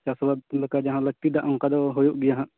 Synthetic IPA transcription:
t͡ʃaswad̪̚lɛkad͡ʒaɦãlək̚t̪id̪aʔɔŋkad̪ɔɦɔjoʔɡɛjaɦãʔ

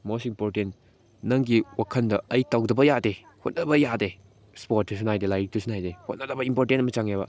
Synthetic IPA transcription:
mosimpoɾtent | nɐŋɡiwakʰɐndɐɐjtawdɐbɐjade | hot̚nɐbɐjade | spot̚tːus̬unajdelajik̚tusunajdehot̚nɐdɐbɐimpoɾtentmɐt͡ʃaŋebɐ̰

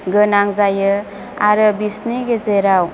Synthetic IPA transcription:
ɡənaŋzajə | aɾəbisniɡezeɾaw

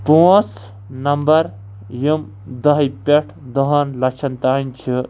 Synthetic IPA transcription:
poːs | nɐmbɐɾ | jum | d̪ɐɦjpʲeʈʰd̪ɔɦɐnlɐkʃʰɐnt̪aːinʲt͡ʃʰi

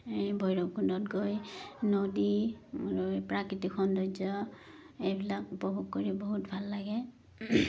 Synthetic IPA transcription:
bʱɔjɹɔkundɔtɡojnodiaɹupɹakɹitikxɔndɔzɔ | ejbilakupɔbʱoɡ̚koɹiboɦutbʱalːaɡɛ

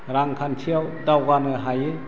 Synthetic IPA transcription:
ɾaŋkʰantʰiawdawɡanɯɦaji

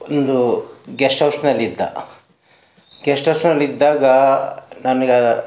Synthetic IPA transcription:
ond̪uɡesʈɐwsnɐlːid̪ːɐ̰ | ɡɛsʈɐwsnɐlːid̪ːaːɡɐnɐnɐɡe

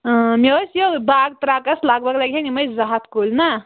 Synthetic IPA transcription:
meəsjobaɡ̚t̪ɾakɐslaɡbəklaɡɦeniməjzaɦat̪kulna

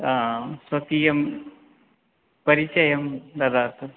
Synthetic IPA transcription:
sʋɐt̪iːjɐm | pɐɾit͡ʃɐjɐmd̪ɐd̪aːt̪ʰɐ

